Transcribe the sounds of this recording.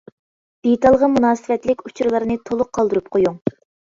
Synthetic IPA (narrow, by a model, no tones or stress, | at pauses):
d̪̥et̪ɑlˠʁəmunɑːsɨvɛt̪lɪkʲut͡ʃʰɾɨlˠɨɾɨnɨt̪ʰolˠʊqʰːɑlˠd̪ɨɾup̚qʰojuŋ